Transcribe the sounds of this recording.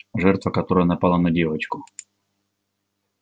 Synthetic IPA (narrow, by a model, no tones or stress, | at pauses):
ʐɛrt̪vɐkɐt̪oɾəjənɐpalˠanɐdʲevɐt͡ɕkʊ